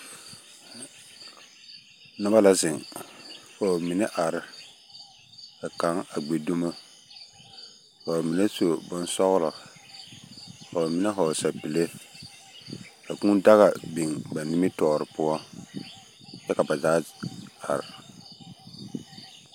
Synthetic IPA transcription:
nʊ˦ba˦la˦zɪ˨ŋ | fɔ˨mi˨ne˦ʔa˨ɾɪ˦ | bɛ˨ka˨˦ŋa˨ɡ͡be˨do˦ma˦ | fɔ˨mi˨ne˦so˨bʊ˦nsɔ˦ɣlɔ˨ | fɔ˨mi˨ne˦ɦɔ˨sa˨pi˨le˦ | ba˨ku˦da˦ɣa˨bi˨ŋba˨ni˦mi˦tɔː˨ɾɪ˨pʊ˦ɔ˦ | jɛ˦ka˨ba˨zaː˦a̰˨ɾɪ˨

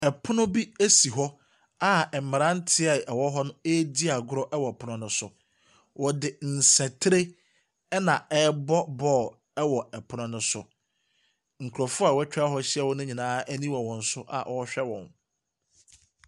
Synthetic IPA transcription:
ɛ˨pʰʊ˦nʊ̃˦bi˦e˦si˨ɦɔ˦ | a˦ɛ˨m̩˨mɪ˨ɾã˦n̩˦tʰɪ˦ɛ˨ʔɛ˨wɔ˦ɦɔ˦nʊ̃˦e˦di˦a˨ɡʊ˦ɾɔ˦ʔɛ˦wɔ˨ɛ˨pʰʊ˦nʊ̃˦nʊ̃˦sʊ˨ | wʔɔ˨dɪ˨n̩˨sæ̃˨tʰɾe˦ | ɛ˦nã˨ɛ˦bɔ˦bɔː˦˨ | ɛ˦wɔ˨ɛ˨pʰʊ˦nʊ̃˦nʊ̃˦sʊ˨ | ŋ̩˨kʰu˨ɾɔ˨fʊ˦a˨wɛ˦t͡ɕᶣa˦ɦɔ˦ɕɪ˦ɛ˦˨wɔ˦nʊ̃˦ɲĩ˨nãː˦æ˦nĩ˦wa˨wɔ̃˨n̩˨˦sʊ˦ʔa̰˨ʔɔ˨˦ɕᶣɛ˦wɔ̰̃˨n

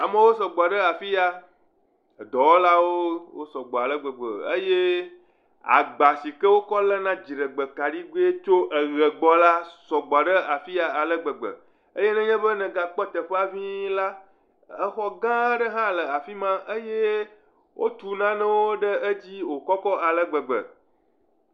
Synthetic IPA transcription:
a˨mə̃˦wo˦s̬ɔ˨ɡ͡bɔ˨ɖə˦a˨fi˦ja˨ | d̪ɔ˨wo˦la˦wo˦wo˦sɔ˨ɡ͡bɔ˨a˨lə˦ɡ͡bə˨ɡ͡bə̰˨ə̰˦je˦ | a̰˨ɡ͡ba˨si˨kə˦wo˦kɔ˦lə˦nã˦d͡ʑi˨ɖə˨ɡ͡bə˨ka˨ɖi˦ɡo˦e˦t͡ʃo˦ʔə˨ɣə˨ɡ͡bɔ˦la˦sɔ˨ɡ͡bɔ˨ɖə˦a˨fi˦a˨a˨lə˦ɡ͡bə˨ɡ͡bə̰˨ | ə˦je˦nɛ̃˦ɲɛ̃˦bə˦nɛ̃˨ɡa˨k͡pɔ˦t̪ə˨ɸe˦a˦˨vĩ˦la˦ | ə˦xɔ˦ɡã˦ɖə˦ɦã˦lə˨a˨fi˦mã˦ʔə˦je˦ | wʔo˦t̪u˨nã˦nə̃˦wo˦ɖə˦ə˦d͡ʑi˦wo˨kɔ˦kɔ˦ʔa˨lə˦ɡ͡bə˨ɡ͡bə̰˨

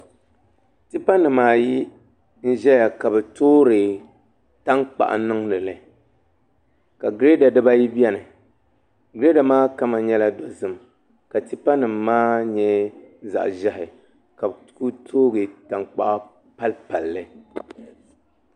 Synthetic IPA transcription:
ti˦pa˦nɨ˨mːaː˦ji˦ | n̩˦ʒɛ˦ja˨ka˨bɛ˨toː˦ɾɨ˨ | ta˦ŋk͡pa̰˨ʔa̰˨nɨ˦ŋnɨ˨lɨ˨ | ka˨ɡɾe˦da˨dɨ˦ba˦ji˦bi˦ɛ˦nɨ˨ | ɡɾe˦da˨maː˦ka˦ma˨ɲɛ˦la˦dɔ˨zɨ˦m | ka˨ti˦pa˦nɨ˨mːaː˦ɲɛ˦za̰˨ʔʒɛ˦hɪ˨ | ka˨btku˦tʰoː˦ɡɨ˨ta˨ŋk͡pa̰˨ʔa˦ | pa˦lpa˨lːɨ˦

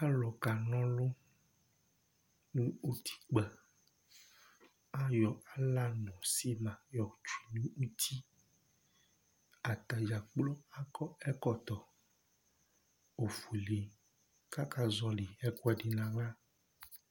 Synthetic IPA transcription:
ka˦lɔ˨ka˨nɔ̃˦lo˦ | nũ˦u˦t̪ʰi̥˦k͡pɛ˨ | a˦jɔ˨a˨la˦nɔ̃˨si˦mã˨jɔ˨t͡ʃu˨i˨nũ˦u˦t̪ʰi˦ | a˨t̪a˨d͡ʒa˨k͡plɔ˦a˦kɔ˦ɛ˦kɔ˦t̪ɔ˨ | o˨fu˨li˨ | ka˦ka˦zɔ˦li˨ɛ˦kwɛ˨ɖi˨nã˨la˦

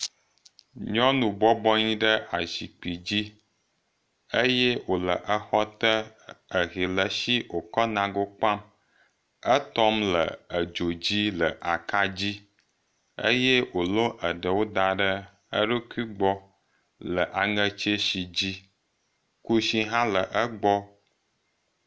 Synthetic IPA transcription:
ɲɔ̃˦nũ˨bɔ˦bɔ˦ɲĩ˦ɖə˦ʔa˨zi˨k͡pi˨d͡ʑi˦ | ə˦je˦wo˨lə˨ʔə˦xɔ˦t̪ə˦ə˨ɣi˨lə˨ʃi˦wo˨kɔ˦nã˨ɡo˦k͡pa˦m | ə˦t̪ɔ˦mlə̰˨ə˨d͡ʒo˨d͡ʑi˦lə˨ʔa˨ka˦d͡ʑi˦ | ə̰˦je˦wo˨lõ˦ʔə˨ɖə˨wo˦d̪a˨ɖə˦ | ə˦ɖo˦ki˦ɡ͡bɔ˦ | lə˨ʔa˨ŋə˦t͡ʃe˦ʃi˨d͡ʑi˦ | ku˦ʃi˦ɦã˦lə˨ʔə˦ɡ͡bɔ˦

